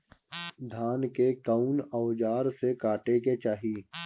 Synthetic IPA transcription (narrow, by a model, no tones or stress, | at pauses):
d̪ʱaːnkekəʊnəʊd͡ʒaːɾsekaːʈeket͡ʃaːɦiː